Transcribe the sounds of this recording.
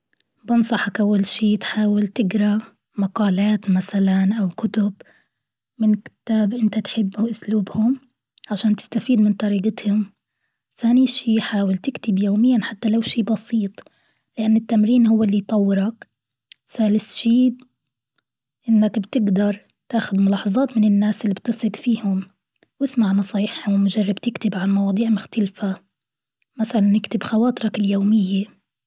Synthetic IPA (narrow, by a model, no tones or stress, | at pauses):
bɪnsˤɑħɑkʔawːalʃiːt̪ħaːwɪlt̪ɪɡɾˤa | maqɑːlaːt̪masalanʔawkʊt̪ʊb | mɪnkɪ̥t̪aːbʔɪnt̪at̪ħɪbːʔʊsluːbhʊm | ʕaʃaːnt̪ɪ̥st̪afiːd̪mɪnt̪ˤɑɾiːʔɪt̪hʊm | θaːniʃiːħaːwɪlt̪ɪkt̪ɪbjoːmɪjːanħat̪ːalawʃiːbɑsiːt̪ˤ | lɪʔanːɪt̪ːamɾiːnhʊwːɪlːijt̪ˤɑwːɪɾɑk | saːlɪsʃiː | ʔɪnːakbt̪ɪɡd̪ɑɾˤ | t̪aːxʊd̪mʊlɑːħɑzˤɑːt̪mɪnɪnːaːsʔɪlːibt̪ːɑsˤɪɡfiːhʊm | wɪsmaʕnɑsˤɑːjɪħhʊmːʊʒarˤːɑbt̪ɪkt̪ɪbʕanmɑwɑːd̪ˤiːʕmʊxt̪alfa | maθalanːɪkt̪ɪbxɑwaːt̪ˤɨɾˤɑkɪljoːmɪjːe